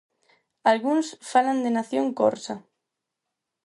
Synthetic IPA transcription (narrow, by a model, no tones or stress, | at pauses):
alɣuŋsfaland̪enaθjoŋko̰ɾsa